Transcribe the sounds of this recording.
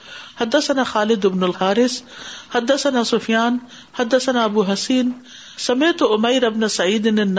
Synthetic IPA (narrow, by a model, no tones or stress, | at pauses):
hɐd̪ːɐsɐnaːxaːlɪd̪ɪbnʊlhaːɾɪshɐd̪ːɐsɐnaːsʊfijaːn | hɐd̪ːɐsɐnaːɐbuːɦɐsiːn | sɐmeːt̪ʊmɐjɾɪbnasɐʕiːd̪ɪnɪnː